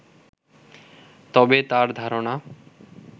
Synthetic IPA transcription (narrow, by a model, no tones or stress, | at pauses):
t̪ɔbet̪aɾd̪ʱaɾona